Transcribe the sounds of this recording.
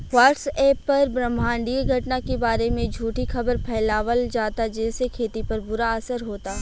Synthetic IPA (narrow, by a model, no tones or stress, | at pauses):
waːʈseːpːɐɾbɾəmʱãːɳɖieɡʱɐʈnakebaːɾemẽd͡ʒʱuːʈixɐbəɾpʰɛːlaːʋəld͡ʒaːt̪ad͡ʒɛːsekʰeːt̪ipɐɾbʊɾaɐsəɾɦoːt̪aː